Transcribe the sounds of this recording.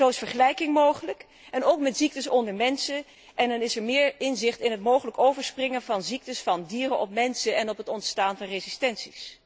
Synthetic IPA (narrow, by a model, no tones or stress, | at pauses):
zowɪsfəɹχəlɛjkɪŋmowχələk | ɛnowkmɛtz̥ik̚təsɔndəɹmɛnsə | ʔɛndɑnɪsɛɹmɪːɹɪnzɪχtɪnɦətmowχələkowvəɹsprɪŋənvɑnzik̚təsfɑndiːrənʔɔpmɛnsəɛnɔpətɔntstaːnvɑnrezɪstɛnsis